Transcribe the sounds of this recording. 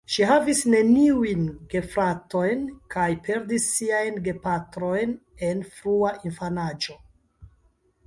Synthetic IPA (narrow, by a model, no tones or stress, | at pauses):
ʃiɦavisne̞niujnɡ̥e̞fɾato̞jnkajpʰe̞ɾdisːiajnɡe̞patɾo̞jne̞nfɾuaʔinfanad͡ʒo̞